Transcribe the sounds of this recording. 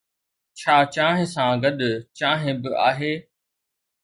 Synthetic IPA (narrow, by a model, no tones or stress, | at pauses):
t͡ɕʰaːt͡ɕaːɦɪ̃sãːɡɐd̪ʊt͡ɕaːɦɪ̃bɪʔa̰ːɦeː